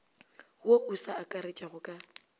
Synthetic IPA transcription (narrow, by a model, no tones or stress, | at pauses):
oʔusaːkʼaɾet͡ʃʼaɣʊkʼa